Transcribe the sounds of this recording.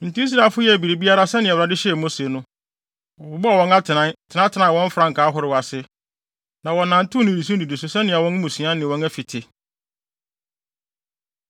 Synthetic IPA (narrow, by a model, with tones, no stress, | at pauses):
n̩˨tĩ˦i˦s̬ɾa˨lfʊ˦jɛ˦˨bi˨ɾe˨bi˦a˦ɾa˦sɛ˦nɪ̃˨ɛ˨ɾa˨dɪ˦ɕmõ˦se˨nʊ̃˦ | ɔ˨bʊ˨bɔ˦a˨wɔ̃˦na˦tʰɪ˨nã˦˨tʰɪ˨nã˦tʰɪ˨nã˦˨wɔ̃˦ɱ̩˦fɾã˨˦ŋ̩˨kʰaː˨˦ɦʊ˨ɾɪ˨wa˨sɪ˦ | nã˨wɔ̃˨nːã˨n̩˦tʰʊ̃˦nɪ̃˨di˨s̬ũ˦n˦di˨de˨sʊ˨sɛ˦nɪ̃˨a˨wɔ̃˦n˦mũ˨su˨˦ã˦nɪ̃˨wɔ̃˦næ˦fi˨tʰɪ˨